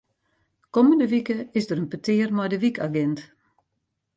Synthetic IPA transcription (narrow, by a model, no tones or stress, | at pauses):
kɔməndəʋikəɪsdərənpətʰɪːərmɔjdəʋikaɡɛnt